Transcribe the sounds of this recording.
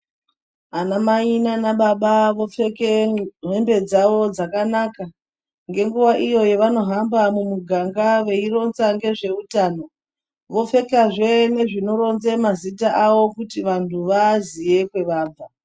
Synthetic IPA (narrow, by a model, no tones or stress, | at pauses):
anamainanaɓaɓaʋo̞fe̞keɦe̞mbe̞d͡zaʋo̞d͡zakanaka | ŋɡe̞ŋɡuʋaʔijo̞je̞ʋano̞ɦambamumuɡʱaŋɡaʋe̞iɾo̞nsaŋɡe̞ʐe̞utaːno̞ | ʋo̞fe̞kaʐene̞ʐino̞ɾo̞nzemazitaʔaʋo̞kutiʋantʰuʋazije̞kwe̞ʋaːbb͡va